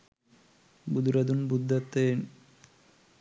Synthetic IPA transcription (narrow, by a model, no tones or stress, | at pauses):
bud̪uɾɐd̪unbud̪ːɐt̪ːeen